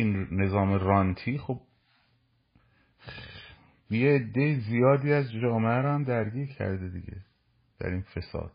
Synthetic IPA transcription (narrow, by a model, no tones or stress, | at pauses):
inne̞zɒːmeɾɒnt̪ʰiːχob̚ | jeːd̪ːejizijɒːd̪iːæzd͡ʒɒːmeæɾohæmd̪æɾɟiːɾcʰæ̰ɾd̪ed̪iɟḛ | d̪̥æ̰ɾiːnfe̞sɒ̰ːd̪̥̚